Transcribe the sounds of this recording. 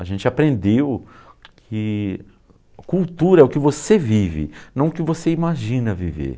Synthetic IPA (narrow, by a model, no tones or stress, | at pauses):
aʒẽnt͡ʃɪapɾẽnd̪ewkʰɪ | kuwt̪uɾɐɛʊkɪvosevivɪ̰nɐ̃w̃ʊkɪvoseimaʒĩnɐvivḛɾ